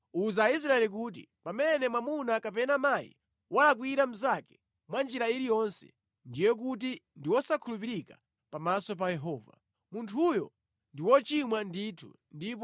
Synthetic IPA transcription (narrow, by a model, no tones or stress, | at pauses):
uzaːis̬ɾaɛlik̬uːt̬ipamɛnɛmwamunakapɛnamajḭ | walak̬wiɾam̩zakɛ̥ | mwand͡ʒiɾailijɔnsɛ̥̰ | ndijɛk̬ut̬indiwɔsakʰulupiɾika̰ | pamasɔp̬ajɛɦɔːva̰ | muntʰujɔ̰ | ndiwɔt͡ʃimwanditʰṵ | ndip̬ɔ